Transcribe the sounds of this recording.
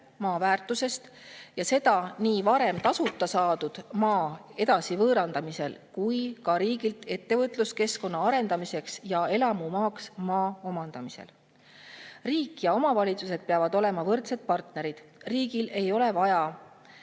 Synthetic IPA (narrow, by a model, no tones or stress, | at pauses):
mɑːvæːrt̪ːˑuse̞st̪jɑse̞d̪̥ɑniːvɑɾe̞mt̪ɑsut̪ːˑɑsɑːd̪ud̪̥mɑːe̞d̪ɑsivɤːɾɑnd̪ɑmise̞̰lkujkɑɾiːɡilt̪e̞t̪ːe̞vɤt̪ˑluske̞sko̞nːɑɑɾe̞nd̪̥ɑmise̞ksjɑe̞lɑmumɑːksmɑːo̞mɑnd̪̥ɑmise̞̰l | riːkːˑjɑo̞mɑvɑlʲit̪suse̞d̪̥̚peɑvɑd̪̥o̞le̞mɑvɤrt̪se̞d̪̥̚pɑrt̪ne̞ɾid̪̥riːɡ̥ile̞jo̞le̞vɑjɑ